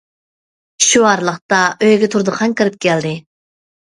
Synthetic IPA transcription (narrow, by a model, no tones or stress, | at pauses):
ʃuɑɾlˠəχt̪ɑʔøjɡʲɛt̪ʰuɾd̪əqʰɑŋkʲɨɾɨp̚kʲʰɛld̪ɪ